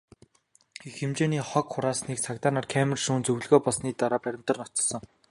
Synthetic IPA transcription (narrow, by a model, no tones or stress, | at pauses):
ixĕmt͡ɕeːniːχɔkχʊɾaːsniːk̚t͡sʰakt̪aːnaːrkʰæmɘ̆rʃuːnt͡sɵw̆ɮɣoːpɔɮsniːt̪aɾaːpæɾʲɪ̆m̥t̪ə̆rnɔt̪ɞ̥̆sə̆ŋ